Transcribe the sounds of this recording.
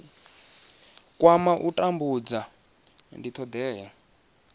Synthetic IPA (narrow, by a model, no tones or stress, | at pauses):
kʼwamaʔutʼambud͡za | ndit̪ʰɔd̪ɛːja